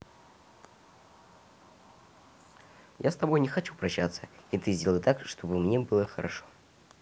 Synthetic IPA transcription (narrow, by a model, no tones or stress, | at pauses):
jʔast̪ɐbo̞jnʲɪxɐt͡ɕupɾɐɕːat̪sə̥it̪ɨzʲdʲelˠəjt̪akʂt̪o̞bɨmnʲebɨlˠəxəɾɐʂo